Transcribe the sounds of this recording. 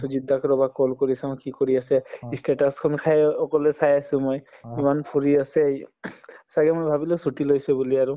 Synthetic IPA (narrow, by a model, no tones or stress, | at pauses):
suzid̪ːakɔɹɔbakɔlkoɹisãʊ̃kikoɹiasɛisteʈaskʰɔnkʰajɔkɔlɛsajasũmojimanpʰuɹiasɛj | saɡɛmojbʱabilɛsuʈilojsɛbuliaɹu